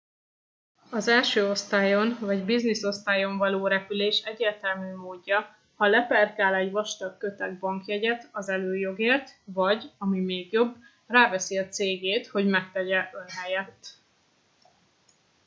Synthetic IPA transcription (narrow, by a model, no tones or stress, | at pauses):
ɒzɛlʃøːo̞st̪aːjo̞nvɒɟbizniso̞st̪aːjo̞ɱvɒloːɾɛpyleːʃɛɟːeːrt̪ɛlmyːmoːɟːɒ | hɒlɛpɛrkaːlɛɟvɒʃt̪ɒkːø̞t̪ɛɡ̚bɒŋkjɛɟɛt̪ɒzɛløːjo̞ɡeːrt̪vɒɟɒmimeːɡjo̞bː | raːvɛsiɒt̪seːɡeːt̪ho̞ɟmɛk̚t̪ɛɟɛʔø̞nɦɛjɛt̪ː